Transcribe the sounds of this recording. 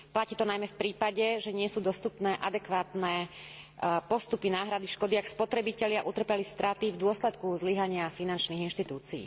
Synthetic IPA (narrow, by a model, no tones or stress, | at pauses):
placiːt̪ɔnajmɛfpɾiːpaɟɛʒɛɲɪɛsuːd̪ɔst̪upnɛːʔad̪ɛkʋaːt̪nɛː | pɔst̪upinaːɦɾad̪iʃkɔd̪iakspɔt̪ɾɛbicɛlɪaʔut̪r̩pɛlist̪ɾat̪ivd̪ʊɔslɛt̪kuzliɦaɲɪafinant͡ʃniɣinʃt̪it̪uːt͡sḭː